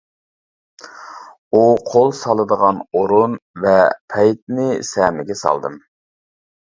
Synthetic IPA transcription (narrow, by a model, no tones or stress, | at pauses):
uqʰolˠsɑlˠəd̪əʁɑnoɾunvɛpʰɛjt̪̚nɪsɛmɪɡʲɛsɑ̰lˠd̪ɨm